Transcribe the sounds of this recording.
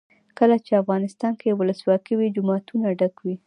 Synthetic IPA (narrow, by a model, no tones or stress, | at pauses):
kəlat͡ʃeafɣɑnɪst̪ɑnkeewʊləswɑkiwid͡ʒʊmɑt̪ʰunaɖakwi